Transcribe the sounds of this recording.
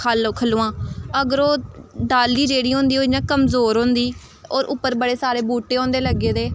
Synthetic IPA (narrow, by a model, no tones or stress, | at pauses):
alkʰəluːãːəɡəɾoːɖaːlːiːd͡ʒeːɽiːɦõːnd̪iːoːnãːkəmzoːɾɦõːnd̪iː | ɔːɾʔʊpːəɾbəɽeːsaːɾeːbuːʈːeːõːnd̪eːləɡeːd̪eː